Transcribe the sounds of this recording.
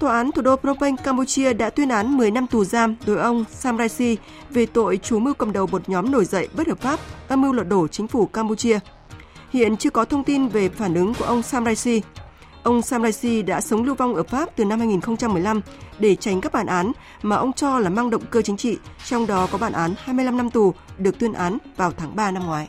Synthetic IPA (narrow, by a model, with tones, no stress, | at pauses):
t̪waː˧˩ʔaː˨˦nt̪ʰu˨˩ɗo˧pɾo˦˥ə˧jŋ̟kaː˧mpu˧t͡ɕi˧əɗa̰ː˧˥t̪wi˧ənʔaː˨˦nmɨ˨˩əjna˧mt̪u˨˩zaː˧mɗo˨˦jʔə˧wŋ͡msaː˧mzaː˧jsi˧ | ve˨˩t̪o̰˧˨jt͡ɕu˨˦mɨ˧wkə̰˨˩mɗə˨˩wmo˨˩t̚ɲɔ˨˦mno˧˩jzə̰˧˨jɓə˦˥t̚həː˨˩p̚faː˦˥p̚ʔəː˧mɨ˧wlwə̰˨t̚ɗo˧˩t͡ɕï˨˦ŋ̟fu˧˩kaː˧mpu˧t͡ɕi˧ə | hḭ˧˨ənt͡ɕɨ˧əkɔ˨˦t̪ʰə˧wŋ͡mt̪i˧nve˨˩faː˧˩nʔɨ˨˦ŋku˧˩əʔə˧wŋ͡msaː˧mzaː˧jsi˧ | ʔə˧wŋ͡msaː˧mzaː˧jsi˧ɗa̰ː˧˥sə˨˦wŋ͡mlɨ˧əwva˧wŋ͡mʔəː˧˩faː˦˥p̚t̪ɨ˨˩na˧mhaː˧jŋi˨˩nxə˧ŋ͡mt͡ɕa˧mːɨ˨˩əjla˧m | ɗe˧˩t͡ɕa˨˦ŋ̟kaː˦˥k̚ɓaː˨˩nʔaː˨˦n | maː˨˩ʔə˧wŋ͡mt͡ɕɔ˧laː˨˩maː˧ŋɗə̰˧˨wŋ͡mkəː˧t͡ɕï˨˦ŋ̟t͡ɕḭ˧˨t͡ɕɔ˧wŋ͡mɗɔ˨˦kɔ˨˦ɓaː˧˩nʔaː˨˦nhaː˧jmɨ˧əjla˧mna˧mt̪u˨˩ɗɨ˨˩ək̚t̪wi˧nʔaː˨˦nvaː˨˩wt̪ʰaː˨˦ŋɓaː˧na˧mŋwaː˨˦j